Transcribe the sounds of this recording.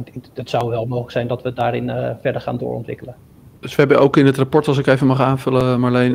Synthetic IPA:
ətsʌwʋɛlˠmowχləksɛjndɔtʋədaːɾɪnfɛɹdəɹχa̰ːndʊ̰ːɹɔ̰ntʋɪ̰kələ | d̥ɵsʋəɦɛbənowkɪnɦətrapɔɹtɑlˠsɪkejvəmɑχaːnvɵləmalejn

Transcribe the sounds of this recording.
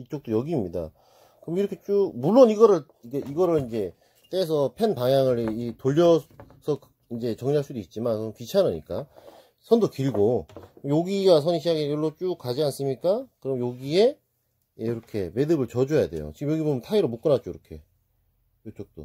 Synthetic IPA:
it͡ɕ͈ok̚t͈ojʌɡiːmɲida̰ | kɯɾʌmiɾʌkʰet͡ɕ͈umuɭːoniɡʌɾɯɭ | iɡeʔiɡʌɾɯɭind͡ʑe̞ | t͈eːsʰʌpʰenpaŋjaŋɯɾitoʎːʌsʰʌk | ind͡ʑe̞t͡ɕʌŋɲaɭs͈udoit̚t͡ɕ͈imankɯɾʌmpit͡ɕʰaɾɯɲḭk͈a | sʰʌndokiɭɡoɯjoɡiɡasʰʌɲiɕʰiaɡekjʌɭːot͡ɕ͈ukad͡ʑians͈ɯmɲik͈akɯɾʌmjoɡie̞ | eiɾʌkʰe̞me̞dɯbɯɭt͡ɕʌd͡ʑuejade̞̰jo̰t͡ɕiɡɯmjʌɡibomjʌntʰaiɾomuk͈ɯnat͡ɕ͈oiɾʌkʰe̞̰ | ot͡ɕ͈ok̚t͈o̰

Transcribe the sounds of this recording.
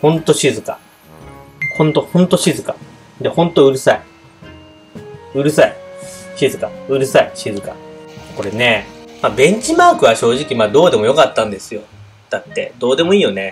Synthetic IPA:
hõ̞nt̪o̞ɕizɨka | hõ̞nt̪o̞hõ̞nt̪o̞ɕizɨka | d̪ehõ̞nt̪o̞ɯ̟ɾɯ̟sai | ɯ̟ɾɯ̟saiɕizɨkaɯ̟ɾɯ̟saiɕizɨka̰ko̞ɾe̞ne̞mabẽ̞ɲ̟t͡ɕimaːkɯ̟βaɕo̞ːʑikʲimad̪o̞ːd̪e̞mo̞jo̞kat̪ːãnd̪e̞sɨjo̞ | d̪̥at̪ːe̞̰d̪̥o̞ːd̪e̞mo̞iːjo̞ne

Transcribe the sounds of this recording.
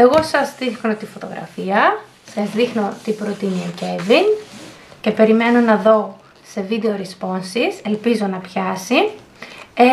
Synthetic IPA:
e̞ɣo̞sɐzðixno̞t̪ifo̞t̪o̞̰ɣɾʔɐ̰fiɐ | sɐzðixno̞t̪ipɾo̞t̪inioce̞vin | ce̞pe̞ɾime̞no̞nɐðo̞ | se̞vid̪eoɾispo̞nsise̞lpizo̞nɐpçɐsi | e

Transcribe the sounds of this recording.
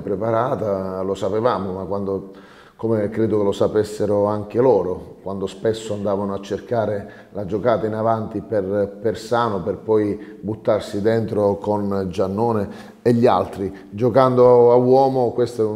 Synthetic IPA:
pɾepaɾaːt̪alosapevaːmomakwand̪o | komekɾeːd̪okelosapesːeɾoaŋk̟elɔːɾokwand̪ospesːoand̪aːvanoat͡ʃːerkaːɾe | lad͡ʒokaːt̪ainavant̪iperpersaːnoperpɔjbut̪ːarsid̪ent̪ɾokond͡ʒanːoːneː | ʎːialt̪ɾi | d͡ʒokand̪oawɔːmokwest̪ɛu

